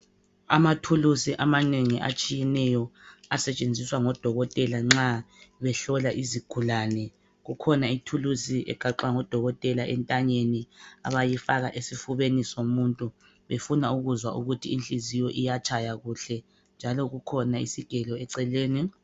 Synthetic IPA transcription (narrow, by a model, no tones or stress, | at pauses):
a̰matʰulusiʔamaneŋiʔa̰t͡ʃʼijɛnɛjɔasɛt͡ʃʼend͡zʱiswaŋɔd̥ʱɔɣɔtʼɛlaŋ͡ǁaβɛɬɔlaʔiziɡ̥ʱulanɛ | ɣukʰɔnaitʰulusiʔɛ̰ɡ̥ʱaǃwaŋɔd̥ʱɔɣɔtʼɛlaʔɛntʼaɲenia̰βajifaɣaʔesifuβenisomuntʼu | βefunauɣuzwa̰ʔṵɣutʰiːnt͡ɬʼizijɔʔijat͡ʃʰʼajaɣuɬɛ | nd͡ʒʱalɔɣukʰɔnaḭsiɡ̥ʱɛlɔɛǀɛleːni